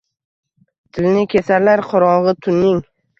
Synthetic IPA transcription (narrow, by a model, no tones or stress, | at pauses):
t̪ʰɪlnɪkʲʰe̞saɾlaɾqʰɒɾɒʁɨt̪ʰʊnːɪŋ